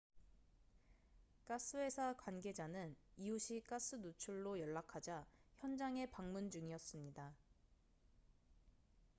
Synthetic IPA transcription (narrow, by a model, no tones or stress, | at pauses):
k͈as͈ʰɯe̞sʰakwanɡe̞d͡ʑanɯniuɕʰik͈as͈ʰɯnut͡ɕʰuɭːojʌɭːakʰad͡ʑaçjʌnd͡ʑaŋe̞paŋmund͡ʑuŋiʌs͈ɯmɲida